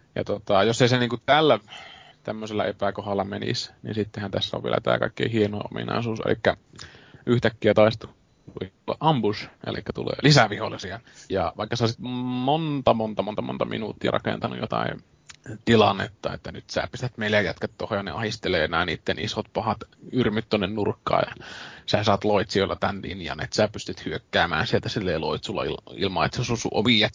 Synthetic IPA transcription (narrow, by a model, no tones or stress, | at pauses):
jɑ̰t̪ot̪ɑjosːeseniːŋkut̪ælːæt̪æmːøselːɑepækohɑlːɑmenḭsnḭnsit̪ːehænt̪æsːæo̰ʋḭḛlæt̪æ̰ːkɑˑikːḛihienoːʔomḭnɑ̰ˑisuːsḛlikːæ | ʔyht̪ækːiæt̪ɑˑist̪u | t̪uiulːɑ̰ʔʔɑmbusʔḛlikːæt̪ulḛːlisæʋiholːisiɑjɑʋɑˑikːɑseosit̪mont̪ɑmont̪ɑmo̰nt̪ɑmo̰nt̪ɑmḭnut̪ːiɑrʔɑ̰kḛnt̪ɑnṵjot̪ɑ̰ḭ | t̪ilɑnːḛt̪ːɑḛt̪ːænyt̪sæ̰ːpist̪æt̪meilæjjæt̪kæt̪t̪ohojɑnḛɑhist̪eleːnæːniːt̪ːenḭsot̪̚pɑhɑt̪yrmyt̪t̪onːennurkːɑ̰ːjɑ̰sæːsɑːt̪loit̪sioilːɑt̪ænd̪ḭːnjɑ̰nḛt̪sæːpyst̪yt̪hyøkːæːmæ̰ːnsielt̪æsilːeiloit̪sulːɑ̰ilḭlmɑḛt̪seosusṵʔoʋiɑt̪